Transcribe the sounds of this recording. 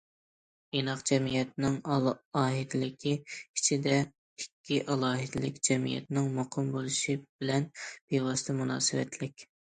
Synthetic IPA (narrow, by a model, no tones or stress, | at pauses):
enɑqd͡ʒɛmijɛt̪nɪŋɑːɦid̪ɪlɪkʲʰiit͡ʃʰid̪ɛ | ikʲːiʔɑlˠɑːɦɪd̪ɪlɪkʲd͡ʒɛmḭjɛ̰t̪nɪŋmoqʰɨmbolˠɨʃib̥ɪlɛnb̥ewɑst̪ɨmunɑ̰ːsɨwɛ̰t̪ʰlɪkʲ